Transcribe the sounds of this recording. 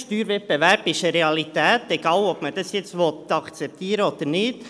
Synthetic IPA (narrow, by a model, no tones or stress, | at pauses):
ʃtyːɾʋɛp̚bɛʋæɾb̥ɪʃəɾeɑlit̪ɛːt̪ɛɡ̥ɑːlɔpməd̥ɑsjɛt͡stʋɔt̪ɑkt͡sɛp̚t̪iːɾəod̪əɾnɪːd̥̪